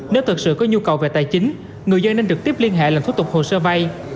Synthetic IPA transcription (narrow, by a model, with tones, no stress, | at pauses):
ne˨˦wt̪ʰɨ˨˩t̚sɨ̰˧˨kɔ˨˦ɲu˧kə˨˩wve˨˩t̪aː˨˩jt͡ɕï˨˦ŋ̟ | ŋɨ˨˩əzə˧ne˧nɗɨ˨˩ək̚t̪i˦˥əp̚li˧ənɦḛ˧˨laː˨˩mt̪ʰu˦˥t̪k͡p̚ho̰˨səː˧va˧j